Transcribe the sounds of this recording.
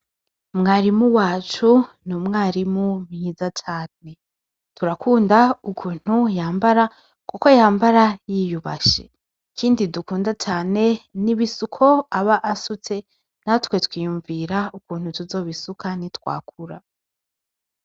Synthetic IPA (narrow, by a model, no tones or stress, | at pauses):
mŋaːɾimuwaːt͡ʃunumŋaːɾimumɲiːzat͡ʃaːne̞ | tuɾakuːndaukʰuːn̥hujaːmbaɾa | kuko̞jaːmbaɾajijuβa̰ʃḛ | kʰiːndidukuːndat͡ʃaːne̞niβisukʰo̞aβaʔasut͡se̞ | natwe̞twiːjuːɱviɾaukuːn̥hutuzo̞ːβisukanitwa̰ːkʰuɾa